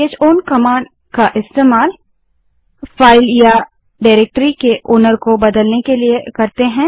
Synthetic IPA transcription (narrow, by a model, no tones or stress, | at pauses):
eːd͡ʒoːnkɐmãːɳɖ | kaʔɪst̪eːmaːl | faːɪlja | ɖaːɪɾeːk̚ʈɾikeʔʊːnəɾkobɐd̪əlnekeliekɐɾt̪eɦɛ̃ː